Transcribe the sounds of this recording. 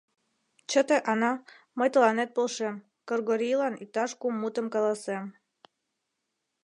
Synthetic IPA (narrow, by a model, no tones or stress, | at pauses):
t͡ɕət̪eʔɑnɑ | məjt̪əlɑnet̪̚polʃem | kərɣoɾijlɑnit̪ɑʃkumːut̪əmkɑlɑsem